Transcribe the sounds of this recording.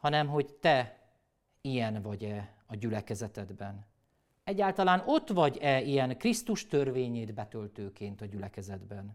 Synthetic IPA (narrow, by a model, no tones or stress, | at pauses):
hɒnɛmɦo̞ɟt̪ɛ | ijɛnvɒɟɛ | ɒɟylɛkɛzɛt̪ɛd̪bɛn | ɛɟːaːlt̪ɒlaːno̞t̪ʋɒɟɛijɛŋkrist̪uʃt̪ø̞rveːɲeːd̪bɛt̪ø̞lt̪øːkeːnt̪ɒɟylɛkɛzɛd̪bɛn